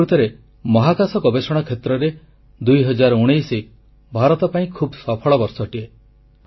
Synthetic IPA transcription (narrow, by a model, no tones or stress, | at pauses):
ɾut̪ɔɾe | mɔɦakasɔɡɔbesɔɽ̃ɔkʰet̪ɾɔɾe | d̪ujɦɔd͡ʒaɾɔuɽ̃ejsi | bʱaɾɔt̪ɔpaĩkʰubsɔpʰɔɭɔbɔɾsɔʈie